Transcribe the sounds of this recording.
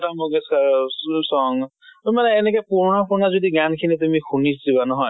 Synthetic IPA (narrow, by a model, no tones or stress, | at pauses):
tamɔɡesasɔŋ | umaneːnekɔjpuɾnapuɾnazud̪iɡankʰinit̪̬umikʰunisdibanɔɦɔj